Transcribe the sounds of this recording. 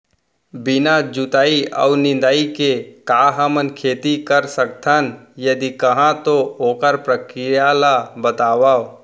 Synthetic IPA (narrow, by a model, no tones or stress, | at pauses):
bɪnad͡ʒʊt̪aːiə̰unɪ̃nd̪aːikekaːɦəmənkʰeːt̪ikəɾsək̚t̪ʰənjəd̪ikəɦãt̪ooːkəɾpɾəkɾɪjalabət̪aːʋao